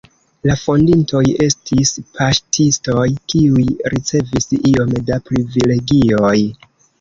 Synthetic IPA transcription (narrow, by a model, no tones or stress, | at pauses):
lafo̞ndinto̞je̞stʰispʰaʃtʰisto̞jkiujɾit͡se̞visio̞mdapɾivile̞ɡio̞j